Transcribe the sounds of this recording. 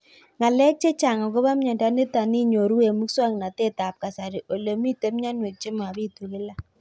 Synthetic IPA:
ŋa˨lɛ˦k̚t͡ʃe˦t͡ʃa˨ŋɔ˨ko˦βa˦mɲa˨nda˨˦ne˦ta˨ni˦ɲo˨ɾu˦e˨mu˦kswa˦ŋ˨na˨te˦ta˨p̚ka˨sa˨ɾi˨ʔo˨le˨mi˦te˦mɲa˦nwe˨k̚t͡ʃɪ˦ma˨βi˦tu˨ɣɪ˦la˦

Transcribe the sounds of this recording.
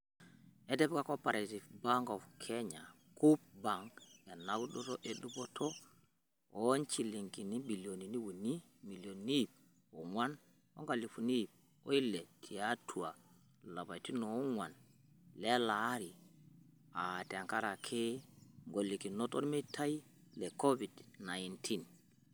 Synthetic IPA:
e˦de˦bka˦ko˦pa˨ɾa˨ti˨fba˦ŋɡo˨fkʰe˦ɲa˨ | ku˦p̚ba˨ŋkja˨na˨˦ɡu˦ɗo˦to˦ʔe˨ɗu˦bo˦tʰo˦ | o˦nt͡ʃi˨li˨ŋki˨ni˦bi˨ljo˨ni˨ni˦wu˨ni˦ | mi˨ljo˨nni˦˨p̚ | o˨ŋwa˦n | o̰˦ŋɡa˨li˨fu˨ni˦˨p̚ | o̰˦i˦le˨tʰi˨a˦tʰu˨a˨ | la˨ba˨ti˦no˨˦ŋwa˨n | le˦la˨˦ɾi˨ | a˨te˨ŋka˦ɾa˨kʰe˦ŋɡo˨lːi˨ki˨no˦to̰˦ɾme˦ta˦j | le˨ko˦vi˨dna˨intʰi˦n

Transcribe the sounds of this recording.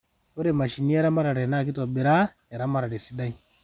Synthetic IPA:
to˦ɾɛ˨ma˨ʃi˨ni˦ɛ˦ɾa˦ma˦ɾa˨ɾɛ˨na˦˨k̬i˦tɔ˨bɛ˨ɾa˦ | ɛ˨ɾa˦ma˦ɾa˨ɾɛ˨si˦da˦i˨

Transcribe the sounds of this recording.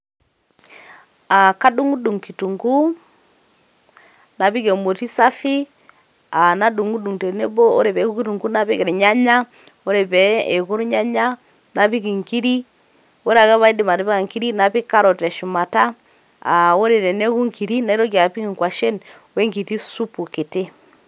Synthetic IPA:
a˨ka˦du˦ŋu˦du˨ŋki˨tu˨ŋɡu˦ | na˨pi˦kɛ˨mo˨ti˦sa˦fi˦ | a˨na˦du˨ŋu˦du˨ŋtɛ˨nɛ˦bɔ˦ɔ̰˦ɾɛ˨bɛ˨˦ku˦ki˦tu˨ŋɡu˦na˦pi˦kɛ˨ɾɛ˨ɲa˦ɲa˦ | o˦ɾɛ˨bɛ˨ɛ˨ku˦ɾɲa˦ɲa˦ | na˨pi˦ki˨ŋki˦ɾi˦ | o˦ɾa˨ɣɛ˦βa˦i˦di˨ma˨ɾɛ˦bɛ˦ka˨ŋki˦ɾi˦na˨pi˦ka˦ɾɔ˨tɛ˨ʃu˨ma˨ta˦ | a̰˨o˦ɾɛ˨ɾɛ˨nɛ˦ku˦ŋki˨ɾi˦na˨˦i˦ɾɔ˦ɡi˨a˨pi˦ki˨ŋkwa˨ʃɛ˦n | wɛ˦ŋɡi˨ɾi˦su˦pu˨ke˨tɪ˦

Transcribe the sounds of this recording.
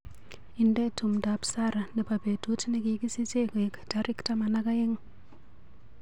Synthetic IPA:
i˨nde˦tu˨mda˨psa˦ɾa˨ni˨pa˨be˨tu˦tne˦ki˦ki˦si˦t͡ʃe˦ko˨e˨kd̥a˦ɾi˦kta˦ma˨na˦ka˦ji˦ŋ

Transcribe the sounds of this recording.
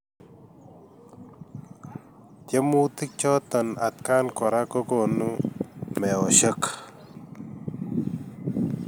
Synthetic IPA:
t̪je˦mu˦t̪i˦k̚t͡ʃɔː˦t̪ɐ˨na̰˨t̪̚kaː˦nkɔ˨ɾa˦kɔ˦kɔ˨nu˦mɛ˨ɔ˨ɕə˦k

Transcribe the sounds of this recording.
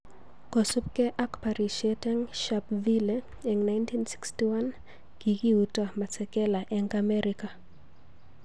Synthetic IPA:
kɔ˨su˦pkɛ˦ʔakpa˨ɾiʃietɛŋʃapvile | ɛ˨ŋna˦jntʰi˦nsi̥˦kstiwa˦n | ɡ̥i˨ki˦utama˨sɛ˨kɛ˦la˨ʔɛŋɡamɛɾʔika˨

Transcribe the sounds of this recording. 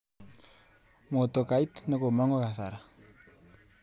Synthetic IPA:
mo˨to˨ka˨i˦tna˨ko˨ma˦ŋo˦ka˨sa˨ɾa˨

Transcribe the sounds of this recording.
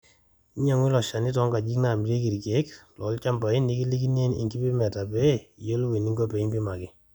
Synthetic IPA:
i˦ɲa˨ŋwi˦lɔ˨ʃa˨ni˦tɔ˦ŋɡa˨d͡ʒi˦kna˨m˨ɾe˦ki˨ɾke˨˦klɔ˨˦lt͡ʃa˦mba˨i˦ni˦ki˦li˦k̬i˦ne˦ni˨ŋki˦pi˦mɛ˨ta˨pɛ˦i˨jo˦lwe˨ni˦ŋɡɔ˦pe˨˦bi˦ma˨kɪ˦

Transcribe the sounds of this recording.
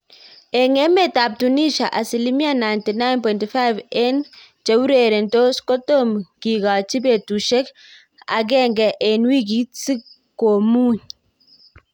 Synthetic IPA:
ɛ˨ŋɛ˦mɛ˦˨ta˨p̚tu˨ni˦ʃa˨ʔa˨si˨li˦mi˦a˦˨na˨jnti˨na˦jnpɔ˨nti˨fa˦vɛ˦n | t͡ʃa˨wu˦ɾe˨ɾɛ˨nto˦skɔ˦to˦mki˨ɡa˨t͡ʃi˦be˨tu˨ʃɛ˦k | a̰˨ɡɛ˦˨ŋɡɛ˨ʔɛ˨nwi˦ɡ̬i˦si˦ | ko˨mu˦ɲ

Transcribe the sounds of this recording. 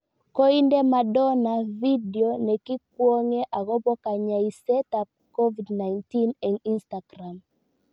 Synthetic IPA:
ko˦i˦ndɛ˦ma˨dɔ˦na˨vidi˨onɛ˨ki˦k̚wɔ˦ŋe˦ʔa˨ɣɔ˦bɔ˦ka˨ɲa˨i˨sɛ˦tap̚kɔ˦vidna˨jnti˦nɛ˨ŋi˦nstaɡ̥ra˨m

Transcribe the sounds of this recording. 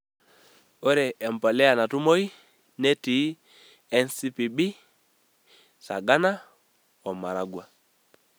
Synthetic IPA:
o˦ɾɛ˨ɛ˨m˨pɔ˨lɛ˦a˨na˨tu˦mo˦i˦ | ne˦ti˨˦ | ɛ˦nsi˦pi˨bi˦ | sa̰˨ɡa˦na˦ | ɔ˨ma˨ɾa˨ɡwa˨

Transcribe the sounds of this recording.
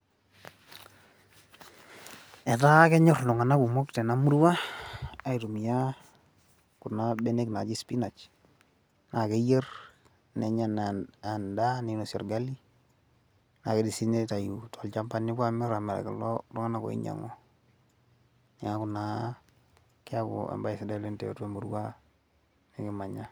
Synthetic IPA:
ɛ˨ta˦kɛ˦ɲɔ˦˨rlʊ˨ŋa˨na˦ku˨mɔ˦ktɛ˨na˦mu˦ɾwaː˦˨ | i˨tu˨mi˨ja˦ | kʊ˨na˦be˦ne˦kna˨t͡ʃɪ˦spi˦na˨t͡ʃ | na˨ke˦je˦r | nɛ˨ɲa˨na˨nda˦ni˨nɔ˨sɔ˨ɾɡa˦li˦ | na˨ke˨˦di˨si˦ne˦ta˨ju˨tʰɔ˨lt͡ʃa˦mpa˦nːi˦ba˦mɛ˦ɾa˨mɛ˨ɾa̰˨ki˨lɔ˦ɾɔ˦ŋa˦na˨kɔ̰˨ḭ˦ɲa̰˨ŋɔ˨ | ni˨ŋa˦kʊ˨na˦ | kɪ˦a˦kɔ̰˨ḛ˨mba˦i˨si˨da˦˨le˦ntɛ̰˨˦te˦mu˨ɾwa˦ | nɛ˨kɪ˦ma˨ɲa˦

